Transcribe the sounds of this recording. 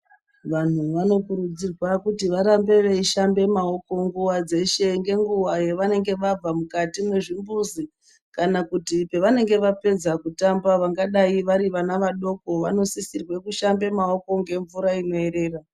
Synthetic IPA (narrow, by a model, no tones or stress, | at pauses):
ʋan̤uʋano̞puɾud͡zirwakutiʋaɾambe̞ʋeiʃambe̞mao̞ko̞ŋɡuwad͡ze̞ʃe̞ŋɡe̞ŋɡuwaje̞ʋane̞ŋɡe̞ʋab͡vamukatimwe̞ʐimbuzi | kanakutipe̞ʋane̞ŋɡe̞ʋape̞d͡zakutambaʋaŋɡaɗaiʋaɾiʋanaʋaɗo̞ko̞ʋa̰no̞sisirwe̞kuʃambe̞mao̞ko̞ŋɡe̞ɱvuɾaino̞e̞ɾe̞ːra